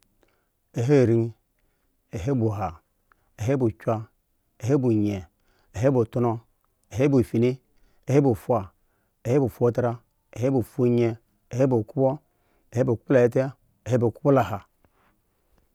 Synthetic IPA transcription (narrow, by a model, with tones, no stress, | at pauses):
e˨ɦe˦˨ɾi˦ŋ˦ | e˨ɦe˦bu˨ɦa˨ | e˨ɦe˦bu˨t͡ʃʷa˦ | e˨ɦe˦bu˨ɲe˨ | e˨ɦe˦bu˨tu˦no˦ | e˨ɦe˦bu˨fi˨ni˦ | e˨he˦bu˨fʷa˨ | e˨he˦bu˨fo˦ta˦ɾa˦ | e˨ɦe˦bu˨fu˦ɲe˨ | e˨he˦bu˨ku˦bo˦ | e˨he˦bo˨ku˦po˦la˨e˦te˦ | e˨he˦bo˨ku˦po˦la˨ha˨